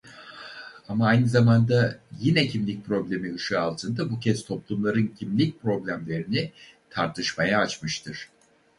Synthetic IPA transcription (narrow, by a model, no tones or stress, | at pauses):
amaajnɯzamand̪ajinɛcʰimlʲic̚ʲpʰɾo̞blʲe̞miɯʃɯalˠt̪ʰɯnd̪abucʰɛz̥t̪ʰo̞plˠumlˠaɾɯncʰimlʲic̚ʲpɾo̞blʲæmlʲe̞ɾinit̪ʰaɾt̪ʰɯʃmajaːt͡ʃmɯʃt̪ʰɯɾ̥